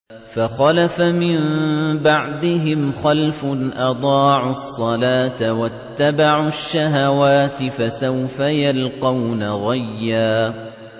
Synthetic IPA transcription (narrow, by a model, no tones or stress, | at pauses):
faxɑlafamɪmbaʕd̪ɪɦɪmxalfʊnʔɑd̪ˤɑːʕʊsˤːɑlaːt̪awat̪ːabaʕʊʃːaɦawaːt̪ɪfasawfajalqɑwnaɣajːaː